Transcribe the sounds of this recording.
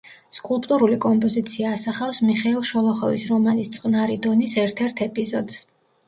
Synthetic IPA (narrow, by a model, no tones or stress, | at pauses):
skʼulˠpʼt̪ʼuɾulikʼɔmpʼɔzit̪sʰiaːsaχafsmiχɛilˠʃɔlˠɔχɔvisɾɔmanist̪sʼqʼnaɾid̪ɔnisɛɾt̪ʰɛɾt̪ʰɛpʼizɔd̪s